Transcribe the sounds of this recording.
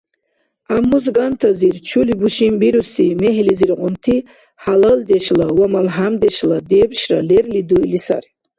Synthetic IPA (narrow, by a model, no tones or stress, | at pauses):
amːuzɡant̪ʰaziɾt͡ʃʰulibuʃimbiɾusimɛɦliziɾʁunt̪ʰi | haləld̪ɛʃlawamalɦamd̪ɛʃlad̪ɛbʃralɛrlid̪uilisa̰ɾi